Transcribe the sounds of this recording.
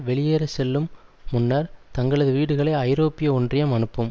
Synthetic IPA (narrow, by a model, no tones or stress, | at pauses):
ʋɛɭɪjeːɾɐsɛlːɯmːʊnːɐɾt̪ɐŋɡɐɭɐðɯʋiːɽɯɣɐɭɐɪɐɪɾoːpːɪjɐɔndrɪjɐmɐnɯpːɯm